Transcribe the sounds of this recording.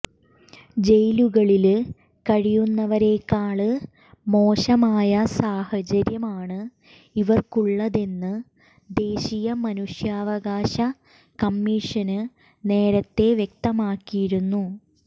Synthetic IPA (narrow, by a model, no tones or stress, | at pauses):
d͡ʑe̞jluɣɐɭil | kɐɻijunːɐʋɐɾe̞ːkːaːɭɨ | mo̞ːɕɐmaːjɐsaːhɐd͡ʑɐɾjɐmaːɳɨ | iʋɐrkuɭːɐðe̞nːɨ | d̪e̞ːɕijɐmɐnuʂjaːʋɐɣaːɕɐ | kɐmːiʂɐnɨ | ne̞ːɾɐt̪ːe̞ʋjek̚t̪ɐmaːkːijiɾunːu